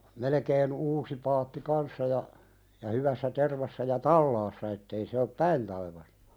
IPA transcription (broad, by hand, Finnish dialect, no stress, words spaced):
melekeːn uːsi pɑːtːi kɑnsːɑ jɑ jɑ hyʋæsːæ terʋɑsːɑ jɑ tɑlːɑːsːɑ etːei se op pæin tɑiʋɑstɑ̥